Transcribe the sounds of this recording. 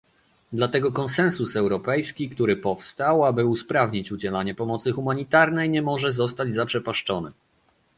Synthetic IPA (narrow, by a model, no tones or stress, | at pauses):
d̪lat̪ɛɡɔkɔnsɛnsusɛwɾɔpɛjskʲikt̪uɾɘpɔfst̪awabɘuspɾavɲit͡ɕud͡ʑɛlaɲɛpɔmɔt̪sɘxumaɲit̪aɾnɛjɲɛmɔʐɛzɔst̪ad͡ʑzapʂɛpaʂt͡ʂɔnɘ̰